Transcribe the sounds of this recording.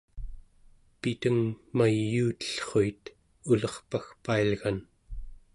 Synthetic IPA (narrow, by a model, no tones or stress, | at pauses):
pit̪əŋmajːuːt̪ə̥ɬχoit̪ | ulʌχpaxpailɣan